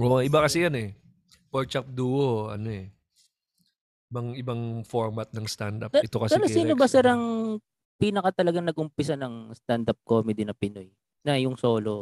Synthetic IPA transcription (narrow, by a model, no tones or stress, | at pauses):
oʔɪbakɐsɛjanɛ | pɔɹt͡ʃap̚d̪uːʔoɐ̰noɛ | ʔɪbaŋɪbaŋfoɹmɐt̪̚nɐŋst̪and̪ɐpd̪ɛt̪okɐsɐɛnɐsiːnobɐsɛɾɐŋ | piːnɐkɐt̪ɐlɐɡaŋnɐɡ̚ʔʊmpɪsanɐŋst̪and̪ɐp̚komɪd̪ɪnɐpɪnoj | nɐjʊŋso̞ːlo